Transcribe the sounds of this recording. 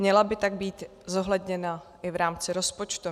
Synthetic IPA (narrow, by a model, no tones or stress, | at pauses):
ɲɛlabɪt̪aɡ̚biːt̪ | zo̞ɦlɛdɲɛnaʔɪvɾaːmt͡sɪɾo̞spo̞t͡ʃt̪u